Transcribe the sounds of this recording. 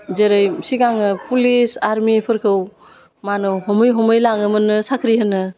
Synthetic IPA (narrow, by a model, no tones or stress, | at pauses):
zeɾɯjsiɡaŋɯpʰulisaɾmipʰɯɾkʰɯw | manɯɦɔmɯjɦɔmɯjlaŋɯmɯnɯsakʰɾiɦɯnɯ